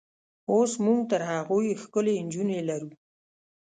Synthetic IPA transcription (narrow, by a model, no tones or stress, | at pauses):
osmuɡt̪əɾɦaɣojxkəlend͡ʒunelaɾu